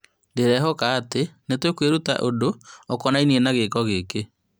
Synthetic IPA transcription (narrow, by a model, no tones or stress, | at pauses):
deɾɛɦɔkaːtenetwekweɾuta̰ʔodoɔkɔnainienaɣekɔɣeke